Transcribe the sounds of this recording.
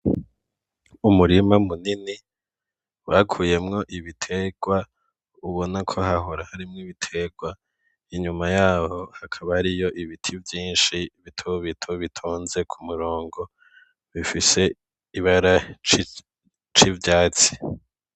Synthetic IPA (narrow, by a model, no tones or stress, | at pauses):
umuɾimamunini | wakʰuːje̞mŋo̞ʔiβitʰe̞ɡ̥wa | uβo̞nakʰo̞ɦaɦo̞ɾahaɾimŋiβitʰe̞ɡwa | iɲumajaːho̞hakʰaβaɾijo̞ʔiβitʰivjiːnʃiβitʰoβitʰoβitʰoːnze̞kʰumuɾoːŋɡo̞ | βifise̞ | iβaɾa | t͡ʃivjaːt͡si̥